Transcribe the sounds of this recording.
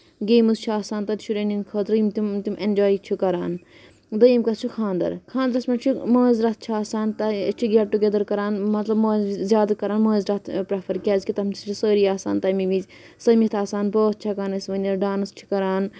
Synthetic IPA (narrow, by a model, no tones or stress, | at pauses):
ɡeːmuɨst͡ʃʰaːsaːnt̪ɐt̪ʃʰuɾeninkʰɐːt̪ɾɨjimt̪umt̪umenʲd͡ʒaːit͡ʃʰukɐɾaːn | d̪ɐjimkɐt͡ʃʰukʰãːnd̪ɐ̰ɾkʰãːnd̪ɐɾɐsmɐt͡ʃʰumoːzɾɐt̪̚ʰt͡ʃʰuaːsaːnt̪ɐt͡ʃʰuɡʲɛʈːuɡʲed̪ɐɾkɐɾaːnmɐt̪lɐbmoːzzʲjaːd̪ɐkɐɾaːnmoːzɾɐt̪ʰpɾɐpʰɐɾkʲezkʲit̪ɐmt͡ʃʰi̥t͡ʃʰusəːɾiaːsa̰ːnt̪ɐmiʋizʲ | sɐmit̪ʰaːsaːnboːt̪̚t͡ʃʰakaːnɐsʋɐnʲɐɖaːnɨst͡ʃʰu̥kɐɾaːn